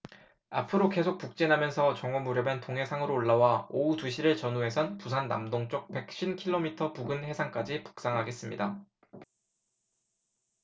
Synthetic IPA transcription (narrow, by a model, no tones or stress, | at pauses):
a̰pʰɯɾoke̞sʰok̚puk̚t͡ɕ͈enamjʌnsʰʌt͡ɕʌŋʌmuɾjʌbantoŋɦe̞sʰaŋɯɾoːɭːawaoutuɕʰiɾɯɭt͡ɕʌnuɦe̞sʰʌnpusʰanːa̰mdoŋt͡ɕ͈ok̚pe̞k̚ɕ͈ʰinkʰiɭːomitʰʌpuɡɯnhe̞sʰaŋk͈ad͡ʑipu̥k̚s͈aŋɦaɡe̞s͈ɯmɲḭda